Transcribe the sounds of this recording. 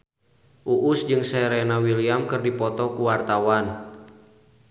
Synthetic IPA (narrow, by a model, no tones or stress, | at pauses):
ʔuʔusd͡ʒɨŋsɛɾɛnawiliamkɨrdipɔt̪ɔkuwart̪awan